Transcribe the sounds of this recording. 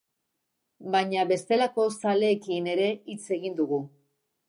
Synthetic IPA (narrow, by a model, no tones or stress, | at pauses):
baɲaβe̞st̪e̞lako̞sale̞ːkine̞ɾe̞it͡se̞ɣind̪uɣ̞u